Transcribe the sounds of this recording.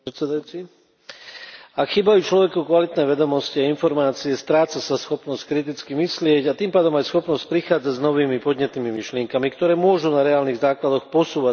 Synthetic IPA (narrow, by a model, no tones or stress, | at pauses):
sɛd̪ajut͡si | akxiːbajuːt͡ʃlɔʋɛkukʋalit̪nɛːʋɛd̪ɔmɔsciainfɔɾmaːt͡siɛst̪ɾaːt͡sasasxɔpnɔsc̚kɾit̪̬it͡skimislɪɛɟat̪iːmpaːd̪ɔmajsxɔpnɔsc̚pɾixaːd͡zaɟznɔʋiːmipɔd̪ɲɛt̪̚niːmimiʃlɪɛŋkamikt̪ɔɾɛːmʊɔʒunaɾɛaːlniɣzaːklad̪ɔxpɔsuːʋa